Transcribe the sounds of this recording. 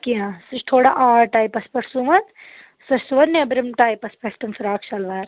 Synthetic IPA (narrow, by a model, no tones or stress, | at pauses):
kiãsɐt͡ʃʈʰoːɽaʔaːɾʈaːjpɐspɐʈʰsuʋɐn | sɐt͡ʃsuʋɐɾneɐbɾɐmʈaːjpɐspɐʈʰt̪ɐnfɾaːkʰt͡ʃɐlʋaːɾ